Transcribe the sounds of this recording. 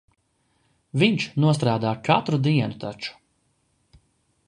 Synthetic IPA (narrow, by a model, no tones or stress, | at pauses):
viɲt͡ʃnuɔst̪ɾaːd̪aːkat̪ɾud̪iɛnut̪ʰat͡ʃu̥